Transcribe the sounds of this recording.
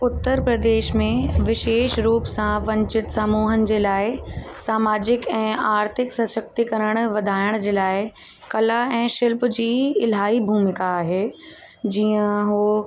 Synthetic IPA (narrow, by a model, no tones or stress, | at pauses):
ʊt̪ːəɾpɾɐd̪eːʃmẽʋɪʃeːʃɾuːpsãʋɐ̃ɲt͡ɕɪt̪saːmuːɦənɪ̆d͡ʑeːlaːɪsaːmaːd͡ʑɪkɛ̃ːaːɾt̪ʰɪksɐsək̚t̪ikɐɾəɽ̃ʊʋɐd̪ʱaːɪɽ̃d͡ʑeːlaːɪ | kɐlaɛ̃ːʃɪlpd͡ʑiːɪlɦaːibʱuːmɪkaːɦeː | d͡ʑiːə̃ɦoː